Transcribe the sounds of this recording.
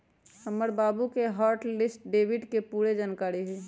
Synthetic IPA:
həməɾbaːbukeɦaːɾʈlɪsʈ̚ɖeːʋɪɖkepuːɾed͡ʒaːnkaːɾiɦɛ

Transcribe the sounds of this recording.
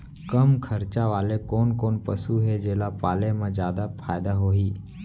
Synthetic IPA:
kəmkʰəɾt͡ʃaʋaːlekoːnkoːnpəsuɦed͡ʒeːlapaːlemãd͡ʒjaːd̪apʰaːjd̪aɦoːɦiː

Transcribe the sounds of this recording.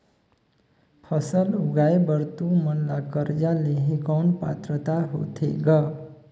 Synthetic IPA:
pʰʌsəluɡajbəɾt̪umənlakəɾd͡ʒaleɦekɔnpa̰t̪ɾət̪aɦo̰t̪ʰḛɡʌ

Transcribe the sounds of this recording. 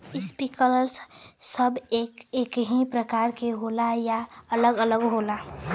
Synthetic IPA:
ɪspikələɾssəbekeːkɦĩpɾəkaːɾkeɦolajaələɡələɡɦola

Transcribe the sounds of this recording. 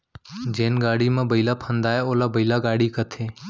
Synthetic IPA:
d͡ʒeːnɡaːɽiːmãːbəilaːpʰənd̪aːjeoːlaːbəilaːɡaːɽiːkət̪ʰeː

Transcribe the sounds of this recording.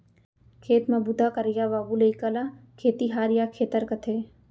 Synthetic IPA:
kʰeːt̪mɐbud̪akɐɾɪjaːʋaːbulɐikalakʰeːt̪iɦaːɾjakʰeːt̪əɾkɐt̪ʰeː

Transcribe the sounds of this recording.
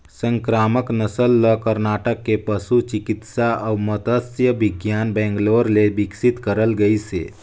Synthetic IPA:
sə̃ŋkɾaːməknəsəlːəkəɾnaʈəkːepəsut͡ʃikit̪saʔəwmət̪əsjəʋiɡjanbɛ̃ŋɡloɾlebiksit̪kəɾəlɡəjsḛ

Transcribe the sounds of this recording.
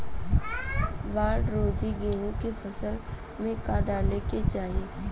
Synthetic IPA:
ʋaːɾɖɾoːd̪ʱiɡeːɦũkefʰəsəl | mẽkaɖaːleket͡ʃaːɦieː

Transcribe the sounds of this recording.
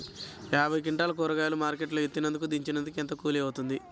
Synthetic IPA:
jaːbʱɐjk̬iɳʈaːlɐkoːɾɐɡaːlumaːɾkeʈlɐjet̪ːinɐnd̪ukud̪iɲt͡ʃinɐnd̪ukent̪ɐkuːliɐʋut̪und̪i

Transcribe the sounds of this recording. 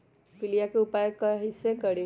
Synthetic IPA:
pɪlijakeʊpajkaɦɪsẽkəɽi

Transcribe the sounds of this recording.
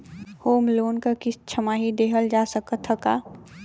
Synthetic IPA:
hoːmloːnkakɪst͡ʃʰəmaːɦid̪eːɦəld͡ʒaːsəkət̪ʰːəkaː

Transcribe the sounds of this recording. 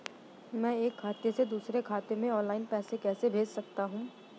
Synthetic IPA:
mɛ̃ːeːkʰːaːt̪esed̪uːsɾekʰaːt̪emẽɔ̃ːnlaːɪnpɛːsekɛːsebʱeːd͡ʒsɐk̚t̪aɦũː

